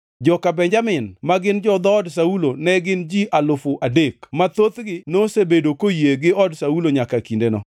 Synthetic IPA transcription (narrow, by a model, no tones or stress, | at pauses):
d͡ʒɔkabɛɲd͡ʒamɪnmaɡɪnd͡ʒɔd̪ɔːds̬aulonɛɡɪnd͡ʒiʔalʊfʊʔadekmat̪ot̪ɡɪnosebedokojeɡɪɔdsauloɲakakindenɔ̰